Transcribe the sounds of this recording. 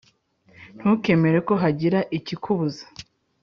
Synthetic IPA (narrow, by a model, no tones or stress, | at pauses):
n̥huke̞me̞ɾe̞ko̞ɦaɟiɾaʔicikʰuβuzḁ